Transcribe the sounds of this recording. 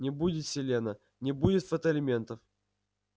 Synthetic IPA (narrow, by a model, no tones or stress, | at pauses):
nʲɪbudʲɪt̪sʲɪlʲenə | nʲɪbudʲɪt̪fət̪əlʲɪmʲe̞nt̪əf